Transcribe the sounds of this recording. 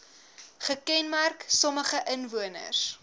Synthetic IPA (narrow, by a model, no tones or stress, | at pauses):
χəkɛnmærksɔməχəʔənvuənə̰s